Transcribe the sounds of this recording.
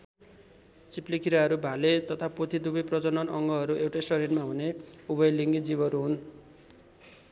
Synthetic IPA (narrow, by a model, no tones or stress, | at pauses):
t͡siplikiɾaɦʌɾubʱalet̪ʌt̪ʰapot̪ʰid̪ubʌjprʌd͡zʌnʌnʌŋɡʌɦʌɾuʔewʈesʈʌɾinmaɦuneubʌjliŋɡid͡zibʱʌɾuɦun